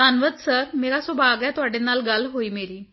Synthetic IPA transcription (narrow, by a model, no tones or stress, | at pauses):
aːnʋəd̪səɾmeːɾaːsʊbaːɡɛːt̪ʊaːɖeːnaːlɡəlɦoːiːmeːɾiː